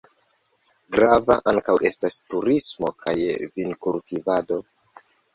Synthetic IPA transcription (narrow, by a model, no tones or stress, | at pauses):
ɡɾava̰ʔaŋkawʔe̞stastuɾismo̞kʰajvinkultivado̞